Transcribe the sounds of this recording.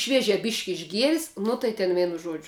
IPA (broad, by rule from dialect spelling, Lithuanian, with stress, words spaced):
ˈʃʲʋʲiɛʒʲɛ ˈbʲiːʃʲkʲ ɪʒʲˈɡʲiɛrʲɪs ˈnʊ tɐɪ tʲɛn ˈʋʲiɛnʊ ˈʒuɔd͡ʒʲʊ